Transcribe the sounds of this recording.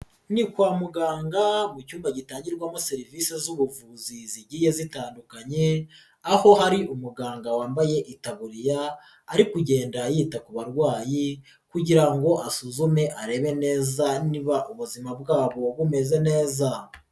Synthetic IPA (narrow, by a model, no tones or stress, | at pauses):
nikwaːmuɡaːŋɡamucuːmbaɟitaːɲɟiɾɡwaːmase̞ɾivisezuβuvuziziɟiːje̞zitaːndukaɲe̞ | aho̞ɦaɾiʔumuɡaːŋɡawaːmbaje̞ʔitaβuɾijaː | ɾikuɟe̞ːndajiːtakuβaɾɡwaːji | kuɟiɾaŋɡo̞ʔasuzume̞ʔaɾe̞ːβe̞ne̞ːzaniβaʔuβuzimabɡaːβo̞βume̞ze̞ne̞ːza